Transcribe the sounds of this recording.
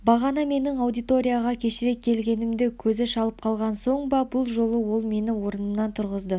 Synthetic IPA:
bɑʁɑnɑme̞nɪŋɑwd̪ijt̪o̞ɾʲijaʁɑkʲʰe̞ʃɪɾe̞kkʲʰːe̞lɡʲe̞nɪmd̪ekʲʰɵzɪʃɑlˠəp̚qʰɑlˠʁɑnso̞ɴbɑbʊlˠʒo̞lˠəwo̞lˠme̞nɪwo̞ɾənəmnɑnt̪ʰʊɾʁəzd̪ə

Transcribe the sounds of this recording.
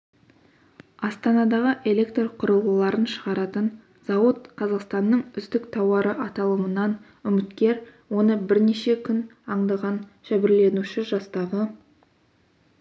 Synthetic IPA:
ɑst̪ɑnɑd̪ɑʁəʔe̞lʲe̞kt̪rqʰʊɾəlˠəlˠɑɾənʃəʁɑɾɑt̪ən | z̥ɑwət̪qʰɑzɑqst̪ɑnːəɴʏzd̪ɪkt̪ʰɑwɑɾəʔɑt̪ɑlˠəmənɑn | ʏmɪt̪kʲe̞ɾwo̞nəbɪɾneʃe̞kʲʰʏnɑɴd̪ɑʁɑnʒæbɪɾle̞nuʃɪʒɑst̪ɑʁə

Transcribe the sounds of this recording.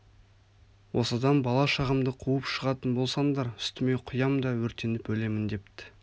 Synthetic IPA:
wʔo̞sɑd̪ɑnbɑlˠɑʃɑʁəmd̪əqʰuəpʃəʁɑt̪ənbo̞lˠsɑɴd̪ɑɾʏ̥st̪ɪme̞jqʰʊjɑmd̪ɑwɵɾt̪e̞nɪpɵle̞mɪnd̪e̞p̚t̪ɪ̥

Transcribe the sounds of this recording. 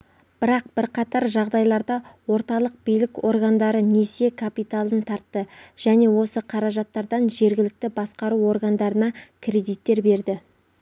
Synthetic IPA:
b̥ɪɾɑq̚b̥ɪɾqʰɑt̪ɑɾʒɑʁd̪ɑjlˠɑɾd̪ɑwo̞ɾt̪ɑlˠəq̚b̥ijlɪko̞̰rɡand̪ɑɾəne̞se̞kʰapijt̪alˠənt̪ʰɑɾt̪ːəʒ̥æne̞wo̞səqʰɑɾɑʒɑt̪ːɑɾd̪ɑnʒe̞ɾɡʲɪlɪk̚t̪ɪbɑsqɑɾuo̞ɾɡand̪ɑɾənɑkʲʰɾe̞d̪ijt̪ːe̞ɾbe̞ɾd̪ɪ

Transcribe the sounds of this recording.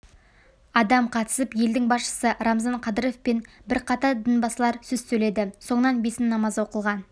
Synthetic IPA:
ɑd̪ɑmqʰɑt̪ə̥səpje̞ld̪ɪŋbɑsʃə̥səɾɑmzɑɴqʰɑd̪əɾe̞fpenbɪɾqʰɑt̪ɑd̪ənbɑsəlˠɑɾsɵz̥sɵle̞d̪ɪso̞ɴənɑnbe̞sɪnːɑmɑzwo̞qəlˠʁɑn

